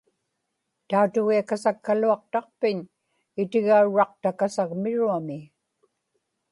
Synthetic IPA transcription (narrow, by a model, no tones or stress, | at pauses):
t̪aut̪ʊɣiakasakːaluɑq̚t̪ɑq̚pɪɲ | ɪt̪ɪɣauɻɑq̚t̪akasaɣmɪɻuamɪ